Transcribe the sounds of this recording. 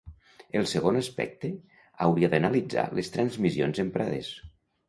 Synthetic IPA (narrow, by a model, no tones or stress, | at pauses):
elˠsəɣonəspɛ̰k̚t̪e | awɾiaðənəlid͡za̰lest̪ɾənzmizio̰nzempɾʔaðḛs